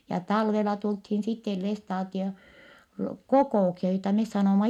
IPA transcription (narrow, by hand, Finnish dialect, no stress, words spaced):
jɑ tɑlʋelɑ tulthin sitːel lestɑːtio kokoˑuksiɑ joitɑ mes sɑnoˑmɑ